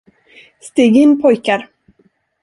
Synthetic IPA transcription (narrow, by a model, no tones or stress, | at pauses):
st̪iːɡɪnːpʰɔjkaɾ